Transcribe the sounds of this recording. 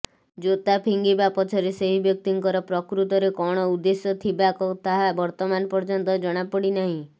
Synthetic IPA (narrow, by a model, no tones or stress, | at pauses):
d͡ʒot̪apʰiŋɡibapɔt͡ʃʰɔɾeseɦibjɔk̚t̪iŋkɔɾɔpɾɔkɾut̪ɔɾekɔɽ̃ɔud̪esjɔt̪ʰibakɔt̪aɦabɔɾt̪ɔmanɔpɔɾd͡ʒɔnt̪ɔd͡ʒɔɽ̃apɔɽinaɦĩ